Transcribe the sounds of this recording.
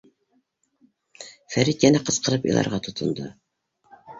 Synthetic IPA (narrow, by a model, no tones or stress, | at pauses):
fæɾit̪jænæqɤ̆sqɤ̆ɾɤpḭlˠɑ̰ɾʁɑt̪ʰŏt̪ʰŏnd̪ɤ